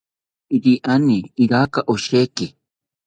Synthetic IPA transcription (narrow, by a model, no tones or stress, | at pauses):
iɾiʔaniːɾakaʔoʃeki